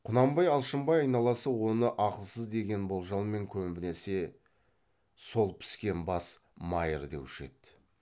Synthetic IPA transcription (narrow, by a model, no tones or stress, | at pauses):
qʰʊnɑmbɑjɑlˠʃəmbɑjɑjnɑlˠɑsəwo̞nəʔɑqəlˠsəzd̪e̞ɡʲe̞nbo̞lˠʒɑlˠme̞ŋkʲʰɵmbɪne̞se̞ | so̞lˠpʰɪ̥skʲe̞nbɑsmɑjəɾd̪e̞wɪʃe̞̰t̪